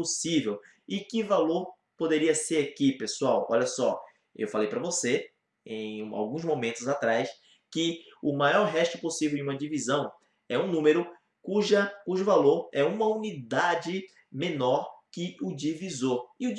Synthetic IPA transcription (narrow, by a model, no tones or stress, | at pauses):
posivew | ɪkɪvaloɾ | pod̪eɾiɐseɾakipesuawɔ̰ʎɐsɔ | ḛwfalejpɾɐvose | ẽj̃a̰wɡũzmomẽnt̪ʊzat̪ɾajs | kɪʊmajɔɾɦɛʃt̪ʊposivewd͡ʒɪũmɐd͡ʒivizɐ̃w̃ | ɛũnũmeɾʊ | kuʒɐkuʒʊvaloɾɛũmɐunid̪ad͡ʒɪ | mẽnɔɾkɪʊd͡ʒivizoɪʊ